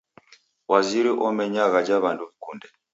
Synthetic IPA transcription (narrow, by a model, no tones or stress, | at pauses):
waziɾiʔɔmɛɲaɣad͡ʒaβanduβikundɛ